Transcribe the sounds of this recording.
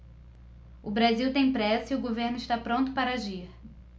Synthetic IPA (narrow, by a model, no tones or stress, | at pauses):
ʊbɾaziwt̪ẽj̃pɾɛsʊiʊɡoveɾnʊɪʃt̪apɾõnt̪ʊpaɾɐaʒiɾ